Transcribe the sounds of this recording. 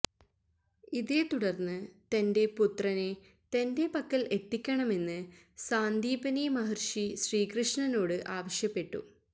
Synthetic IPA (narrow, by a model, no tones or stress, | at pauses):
iðe̞t̪uɽɐrnːɨt̪ɐnde̞put̪rɐne̞ | t̪ɐnde̞pɐkːɐlʔe̞t̪ːikʲːɐɳɐme̞nːɨ | saːnd̪iːpɐnimɐɦɐrʂiɕriːkrɨʂɳɐno̞ːɽɨʔaːʋɐɕjɐpːe̞ʈːṵ